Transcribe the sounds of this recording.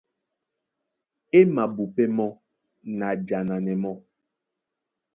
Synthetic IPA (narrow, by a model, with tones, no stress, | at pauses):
e˦ma˨bu˨pɛ˦mɔ˦ | na˨d͡ʒa˨na˨nɛ˨mɔ˦